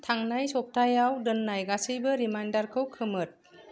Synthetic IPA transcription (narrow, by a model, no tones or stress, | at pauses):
tʰaŋnajsɔp̚tʰajawdɯnːajɡasɯjbɯɾimajndaɾkʰɯwkʰɯmɯt̚